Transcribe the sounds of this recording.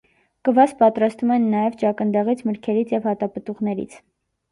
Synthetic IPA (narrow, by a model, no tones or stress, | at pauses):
kəvɑspɑt̪ɾɑst̪vumɛnːɑjɛvt͡ʃɑkənd̪ɑʁit͡sʰməɾkʰɛɾit͡sʰjɛvhɑt̪ɑpət̪uʁnɛɾḭt͡sʰ